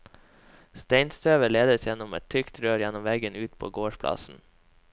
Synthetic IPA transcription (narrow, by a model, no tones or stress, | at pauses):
st̪ɛɪnst̪ʰøːʋəɭeːd̪əsjɛnɔmɛt̪ʰʏkt̪ɾøːɾjɛnɔmʋɛɡənʉːt̪pʰo̰ːɡoːʃpʰlɑ̰sn̩